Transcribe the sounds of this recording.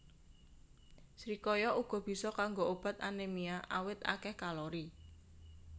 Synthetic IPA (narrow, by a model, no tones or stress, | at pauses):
sɾikɔjɔuɡ̥ɔ̤b̥i̤sɔkaŋɡoʔob̥a̤t̪̚anemiaʔawɪt̪a̰kɛhkaloɾi